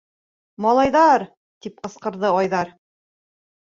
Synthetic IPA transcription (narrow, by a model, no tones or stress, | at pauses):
mɑlˠɑjðɑɾ | t̪ip̚qɤ̆sqɤ̆ɾðɤɑjðɑɾ